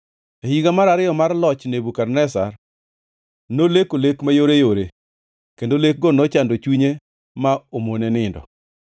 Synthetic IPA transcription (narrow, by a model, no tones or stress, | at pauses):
ehiɡamaɾaɾɪjɔmarlɔt͡ʃnebukarnɛsar | nolekolekmajoɾejoɾe | kendolek̚ɡɔnɔt͡ʃandot͡ʃwiɲe | maomonenɪndɔ̰